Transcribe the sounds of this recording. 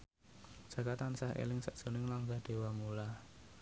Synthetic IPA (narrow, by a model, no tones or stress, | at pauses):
dʒ̥a̤kat̪ansahḛlɪŋsaʔd̥ʒ̥o̤nɪŋlaŋɡaɖ̥e̤wamula